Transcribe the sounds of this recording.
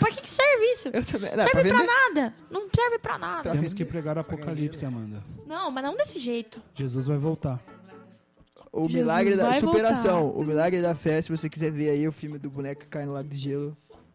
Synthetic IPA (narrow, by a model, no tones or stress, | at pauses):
pɾkɪkɪ̥sɛɾvɪisʊewt̪ɐ̃bẽñsɛɾpɾvɪvepɾanad̪ɐnɐ̃w̃sɛɾvɪpɾɐ̰nad̪pɾɐẽmiskɪpɾeɡaɾapokalipsɪamɐ̃nd̪ɐnɐ̃w̃mɐznɐ̃w̃d̪esɪʒejt̪ʊʒ̥ezuzvajvowt̪a | ʊ̰milaɡɾɪd̪aassupeɾasɐ̃w̃ʊ̰milaɡɾɪd̪ɐfɛsɪvosekizɛveɾaiʊfiwmɪd̪ʊbunɛkʊkɪkajnʊlad̪ʊd̪ɪʒelʊ